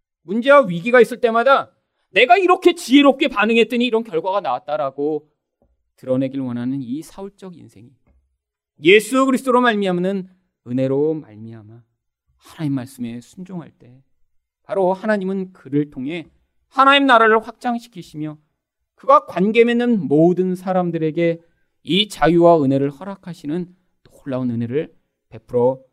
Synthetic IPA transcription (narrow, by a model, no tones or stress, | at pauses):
mund͡ʑe̞waɥiɡiɡais͈ɯɭt͈e̞mada | ne̞ɡaiɾʌkʰe̞t͡ɕieɾop̚kʰe̞panɯŋɦe̞t̚t͈ɯɲiːɾʌnkjʌɭɡwaɡana̰wat̚t͈aɾaɡo | tɯɾʌne̞ɡiɭwʌnɦanɯnisʰauɭt͡ɕ͈ʌɡjḭnsʰe̞ŋi | je̞sʰuɡɯɾisʰɯt͈ʰoɾomaɭmiɦamnɯn | ɯne̞ɾoma̰ɭmiɦama | hanaɲimːaɭs͈ɯme̞sʰund͡ʑoŋɦa̰ɭt͈e̞ | paɾohanaɲimɯnkɯɾɯɭtʰoŋɦe̞ | hanaɲimnaɾaɾɯɭɸwak̚t͡ɕ͈aŋɕʰi̥kʰiɕʰimjʌ | kɯɡakwanɡe̞menːɯnmodɯnsʰaɾamdɯɾe̞ɡe̞ | it͡ɕajuwaɯne̞ɾɯɭhʌɾakʰaɕʰinɯn | t͈ooɭːaunɯne̞ɾɯɭ | pe̞pʰɯɾʌ